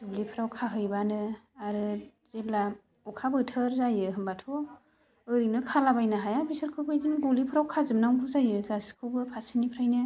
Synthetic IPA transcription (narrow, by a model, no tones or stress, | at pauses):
d̥ulipʰɯɾawkʰaɦɯjbanɯaɾɯ | z̥ebla | ɔkʰabɯtʰɯɾzajɯɦɯmbatʰɔ | ɯɾinɯkʰalabajnaɦajabisɯɾkʰɯwbɯjdinɡɔlipʰɯɾawkʰazɯmnawɡɯzajɯɡaskʰɯwbɯpʰasinipʰɾajnɯ